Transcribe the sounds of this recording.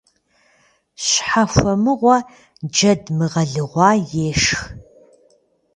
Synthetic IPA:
ɕħafʷɐmɨʁʷɐ | d͡ʒɐdmɨʁɐɮɨʁʷɑːjeːʂx

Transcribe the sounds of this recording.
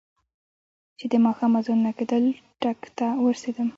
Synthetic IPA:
t͡ʃed̪əmɑxɑmazonnaked̪əlʈakt̪awəɾsed̪əm

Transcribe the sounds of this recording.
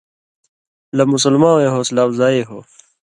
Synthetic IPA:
lɐmus̬ulmãːeɦoːslaːwzaːeɦoː

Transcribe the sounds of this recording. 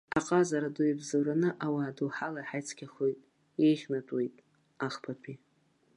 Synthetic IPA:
aqʼazaɾaduibzawɾanɨʔawaːduwħalajħajt͡sʰkʲʰaχojtʼ | ejχʲnatʼwejtʼ | aχpʰapʰi

